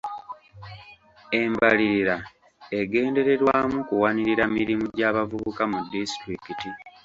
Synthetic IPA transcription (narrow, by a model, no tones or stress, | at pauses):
e̞mbaliɾiɾa | e̞ɡe̞ːnde̞ɾe̞ɾwaːmukuwaniɾiɾamiɾimuɟaːβavuβukamudːistɾikiti